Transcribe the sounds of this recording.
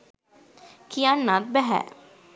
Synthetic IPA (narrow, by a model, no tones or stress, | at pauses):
kʰijanːat̪̚bɛɦɛ̰